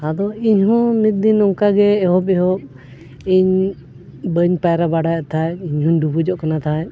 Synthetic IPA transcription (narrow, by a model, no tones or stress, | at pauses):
ad̪ɔiɲɦɔ̃mit̪̚d̪inɔŋkaɡɛːɦɔpɛɦɔp̚ | iɲ | bəɲpajɾabaɽajat̪ʰajiɲɦɔɲɖubud͡ʒɔʔkanat̪ʰaj